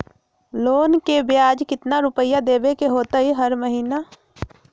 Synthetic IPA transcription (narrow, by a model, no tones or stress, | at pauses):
loːnkebjaːd͡ʒkɪt̪naɾʊpəjːad̪eːʋekeɦoːt̪aɦiɦɐɾməɦiːna